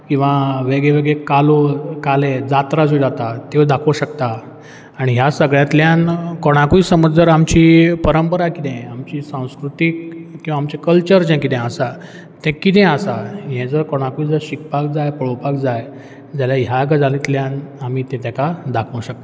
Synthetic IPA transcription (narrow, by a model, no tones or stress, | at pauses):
kĩw̃ʋaʋeɡɭeʋeɡɭekalokaled͡zat̪ɾasuid͡zat̪at̪ewd̪akʰowɕəkt̪a | aɽ̃iɦjasəɡɭjãt̪ljãnkoɽ̃akuisəməd͡zəɾamt͡ɕiːpəɾəmpəɾakit̪ʰɛ̃amt͡ɕiːsãw̃skɾut̪ikːĩw̃ʋamt͡ɕɛkəlt͡ɕəɾd͡ʑɛ̃kit̪ʰɛ̃əsa | t̪ɛ̃kit̪̬ɛ̃əsaɦɛ̃d͡zəɾkoɽ̃akuiːd͡zəɾɕik̚pak̚d͡zajpəɭopak̚d͡zaj | d͡zaljaɦjaɡəd͡zalit̪ljãnamiːt̪ɛ̃t̪akad̪akʰõwɕək̚t̪a